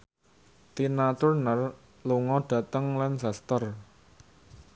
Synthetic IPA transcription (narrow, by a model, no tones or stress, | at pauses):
t̪inat̪ʊrnər | luŋɔɖ̥ä̤t̪əŋlɛnsast̪ər